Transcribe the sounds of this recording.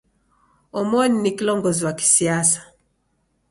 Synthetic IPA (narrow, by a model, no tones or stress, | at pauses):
ɔmɔninikilɔŋɡɔziwaki̥siasḁ